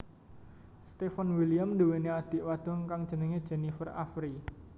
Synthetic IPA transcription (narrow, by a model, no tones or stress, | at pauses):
st̪efanwiliamduwenead̪̥i̤ʔwad̪̥ɔ̤ŋkaŋ̥ʒ̥ə̤nəŋed̥ʒ̥ɛ̤nifəra̰fɾi